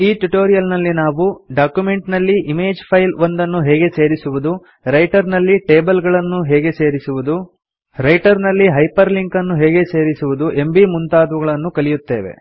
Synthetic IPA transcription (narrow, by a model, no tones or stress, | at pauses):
iːʈuʈoːɾijɐlnɐlːinaːʋuɖaːkjume̞ɳʈnɐlːiʔimeːd͡ʒpʰɐjlond̪ɐnːuɦeːɡe̞se̞ːɾisuʋud̪u | ɾɐjʈɐɾnɐlːiʈeːbɐlɡɐɭɐnːuɦɛːɡe̞se̞ːɾisuʋud̪u | ɾɐjʈɐɾnɐlːiɦɐjpɐɾliŋkɐnːuɦeːɡe̞seːɾisuʋud̪uʔe̞mbimunt̪aːd̪ʋuɡɐɭɐnːukɐlijut̪ːe̞̰ːʋḛ